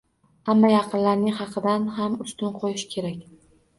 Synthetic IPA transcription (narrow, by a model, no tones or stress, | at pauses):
hamːajɑqʰɨnlaɾnɪŋʲhɑqʰɨd̪anɦamʊst̪ɪnqʰojɪʃkʲʰe̞ɾakʲ